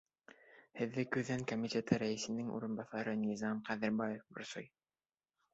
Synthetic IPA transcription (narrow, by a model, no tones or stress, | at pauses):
hɘ̆ðːɘkʉðæŋkomʲitʲet̪ɤɾæɘ̆sɘ̆nɘŋʔṵɾɤ̆nbɑθɑɾɤnʲizɑmqæðɘ̆ɾbɑjefbŏ̰ɾso̰j